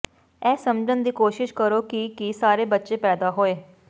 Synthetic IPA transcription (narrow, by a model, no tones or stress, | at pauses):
ɛːsəmd͡ʒənd̪iːkoːʃɪʃkəɾoːkɪkisaːɾeːbətːʃeːpɛːd̪aːɦoːeː